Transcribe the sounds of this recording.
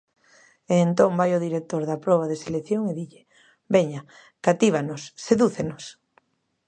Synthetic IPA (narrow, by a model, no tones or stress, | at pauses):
eːnt̪õmbajoðiɾek̚t̪oɾðapɾɔβ̞aðeseleθjoŋeðiʎe | beɲa | kat̪iβ̞anʊsːeðuθenos